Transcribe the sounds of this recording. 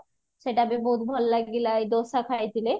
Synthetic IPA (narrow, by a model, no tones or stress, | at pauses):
ʃeʈabeboɦut̪bʱɔllaɡilajd̪osakʰajt̪ʰile